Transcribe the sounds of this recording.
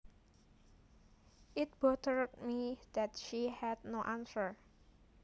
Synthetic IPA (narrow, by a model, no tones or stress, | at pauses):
ʔɪt̪̚b̥ɔt̪əɹd̚mid̪ɛtʃihɛd̚noʔansəɹ